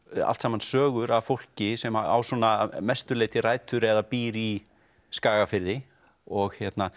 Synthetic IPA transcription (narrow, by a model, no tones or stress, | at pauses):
a̰lt̪saːmansœːɣʏɾavfowl̥cɪsɛmaa̰wsɔnamɛst̪ʏɾleːjt̪ɪraːjt̪ʏɾɛðapiːɾi | skaːɣafɪɾðɪ | ɔɣhjɛt̪na